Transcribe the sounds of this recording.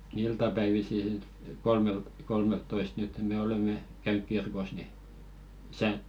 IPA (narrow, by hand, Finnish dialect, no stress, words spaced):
iltɑpæiʋisi sit kolmelt kolmeltːoist nyt me olemːe kæynyk kirkos ni tæ̆sæ